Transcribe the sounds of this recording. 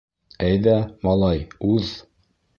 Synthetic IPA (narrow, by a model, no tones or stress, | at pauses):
æjðæmɑlˠɑjʉð